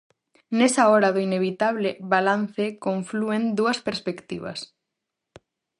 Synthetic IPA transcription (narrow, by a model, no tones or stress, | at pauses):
nesaɔɾaðoineβit̪aβlɪβalan̟θekoɱfluend̪uɐspeɾspekt̪ḭβa̰s